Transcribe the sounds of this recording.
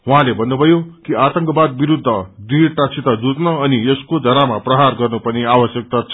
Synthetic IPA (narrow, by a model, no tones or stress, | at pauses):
ɦuɦãlebʱʌnːubʱʌjokiʔat̪ʌŋkʌbad̪̚biɾud̪ʱːʌdirʈat͡sʰit̪ad͡zut͡snʌːnieskod͡zʱʌɾamaprʌɦarɡʌrnupʌniabʌsjʌk̚t̪at͡sʰ